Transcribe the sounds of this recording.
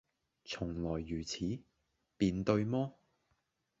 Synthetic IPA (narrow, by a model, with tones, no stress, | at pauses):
t͡sʰʊ˨˩ŋlɔː˨˩jːyː˨˩t͡sʰiː˨˥ | piː˨˧nt̪ɵ˧ɥmɔː˥